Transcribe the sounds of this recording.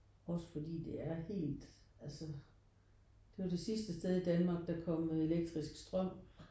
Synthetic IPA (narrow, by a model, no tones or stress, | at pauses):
ɒ̽sə̥fɒ̽d̥ḭːd̥e̝æɐhe̝̰ːld̥ | ælsə | d̥e̝ʋɑ̈d̥e̝sisd̥əsd̥eð̞ˠid̥ænmɑ̈ːɡ̥̚d̥ɑ̈kʰɒ̽m̰e̝leɡ̥̚d̥ʁisɡ̥sd̥ʁɶm̰